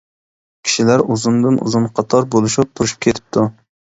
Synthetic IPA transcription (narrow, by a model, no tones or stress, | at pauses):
kʲʰi̥ʃilæɾuzund̪ɨnṵzunqʰɑt̪ʰɑɾbolˠuʃup̚t̪ʰuɾuʃu̥p̚kʲʰet̪ʰɪ̥p̚t̪ʰu